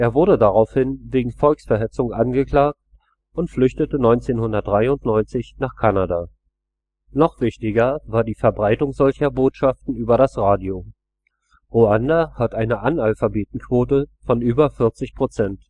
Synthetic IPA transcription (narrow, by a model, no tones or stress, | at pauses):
ʔeːɐvʊɐdədaʁaʊfhɪnveːɡŋ̩fɔlksfɛɐɦɛt͡sʊŋʔanɡəkl̥aːk̚t̚ | ʔʊntflʏçtətənɔʏnt͡seːnhʊndɐt̚d̥ʁaɪʊntnɔʏnt͡sɪçnaːχkʰanadaː | nɔχv̥ɪçtɪɡɐvaːɐdiːfɛɐbʁaɪtʊŋzɔlçɐboːtʃaftn̩yːbɐɾasʁaːdio | ʁoandahatʔaɪnəʔanalfabeːt̚n̩kv̥oːtəfɔnʔyːbɐfɪɐt͡sɪçpʁ̥ot͡sɛnt